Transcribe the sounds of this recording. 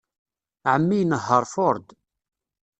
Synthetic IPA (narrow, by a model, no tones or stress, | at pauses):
ʕəmːijnəɦːəɾˤfʊɾˤd̪